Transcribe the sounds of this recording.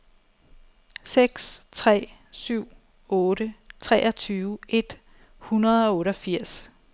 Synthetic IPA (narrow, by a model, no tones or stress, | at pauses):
seɡ̥st͡sʰʁɛ̰ːsyʊ̰ | ɔ̽ːɾət͡sʰʁɛːʔɐt͡sʰyːʊʔe̝d̥ | hunɐð̞̩ˠɒ̽ɔ̽ːɾɒfiɐ̰s